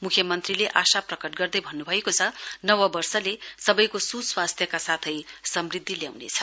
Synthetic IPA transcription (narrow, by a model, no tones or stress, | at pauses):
mukʰjʌmʌnt̪rileʔasaprʌkʌʈ̚ɡʌrd̪ʌjbʱʌnːubʱʌekot͡sʰʌnʌwʌbʌrsʌlesʌbʌjkosuswast̪ʰjʌkasat̪ʰʌjsʌmrid̪ʱːilja̰wnḛt͡sʰʌ